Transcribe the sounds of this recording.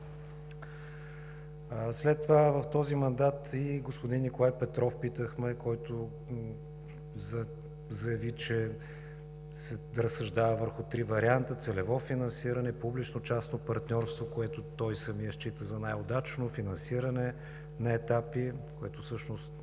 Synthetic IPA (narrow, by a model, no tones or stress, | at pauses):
slɛt̪ːovavɐft̪ɔzimɐnd̪at̪iɡospʊd̪inːikʊlˠajpɛt̪ɾɔfpit̪əxmɛkɔjt̪o | z | zɐjɐvit͡ʃɛ | sɛ | ɾəsːɐʒd̪avəvəɾxʊt̪ɾivɐɾiant̪ət̪sɛlɛvɔfinɐnsiɾənɛpublit͡ʃnot͡ʃasnopɐɾt̪nʲɔɾst̪vokoɛt̪ʊt̪ɔjsɐmiəʃt͡ʃit̪əzɐnajod̪at͡ʃnofinɐnsiɾənɛ | nɐɛt̪apikoɛt̪ʊfsɤʃnost̪